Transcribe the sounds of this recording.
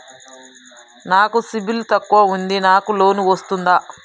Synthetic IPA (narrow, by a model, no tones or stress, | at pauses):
naːkusibilt̪ɐkːuʋɐund̪inaːkulo̞ːnuʋɐst̪und̪aː